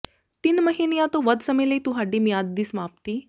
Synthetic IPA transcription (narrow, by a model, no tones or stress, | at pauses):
t̪inməɦinejat̪oʋəd̪səmeleit̪uɦaɖimjad̪̚ːismap̚t̪i